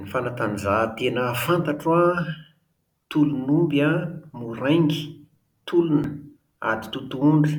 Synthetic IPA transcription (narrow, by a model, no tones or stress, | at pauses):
nifanat̪anzat̪enəfant̪aʈ͡ʂua | t̪ulunumbamuɾajŋɡi̥ | t̪ulunə | a̰d̪i̥t̪ut̪uuɳɖ͡ʐi̥